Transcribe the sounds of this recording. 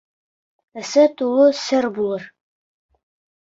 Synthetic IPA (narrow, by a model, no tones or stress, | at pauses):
ɘ̆sɘt̪ulˠɤsɘɾbulˠɤɾ